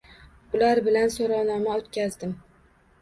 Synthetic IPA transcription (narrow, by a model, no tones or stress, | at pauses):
ʊlaɾbɪlansoɾɒwnɒmaot̪kʲazd̪ɪm